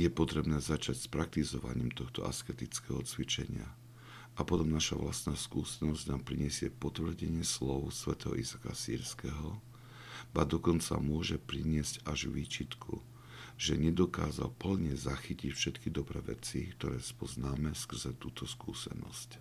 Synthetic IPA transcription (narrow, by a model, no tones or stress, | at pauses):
jɛpɔt̪ɾɛbnɛːzat͡ʃacspɾak̚t̪izɔʋa̰ɲḭːmt̪ɔxt̪ɔ̰askɛt̪it͡skɛɦɔt͡sʋit͡ʃɛ̰ɲɪa̰ | ʔapɔt̪ɔmnaʃa̰ʋla̰st̪naːskuːsɛnɔzɟnaːmpɾiɲɛsɪɛpɔt̪ʋr̩ɟɛɲɪɛslɔʊsʋɛt̪ɛɦɔ̰ʔizaka̰sḭːɾskɛɦɔ | bad̪ɔkɔnt͡sa̰mʊɔʒɛpɾiɲɪɛzcaʒʋiːt͡ʃit̪kʰṵ | ʒ̥ɛɲɛd̪ɔkaːza̰lpl̩ɲɛzaxicicfʃɛt̪kid̪ɔbɾɛ̰ːʋɛ̰t͡sikt̪ɔɾɛːspɔznaːmɛskr̩zɛt̪uːt̪ʰɔskṵːsɛ̰nɔ̰sc